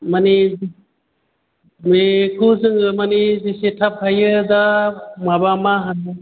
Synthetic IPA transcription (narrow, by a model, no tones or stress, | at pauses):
mani | mekʰuzɯŋɯmanizisetʰap̚hajɯd̪amabamaɦanɯ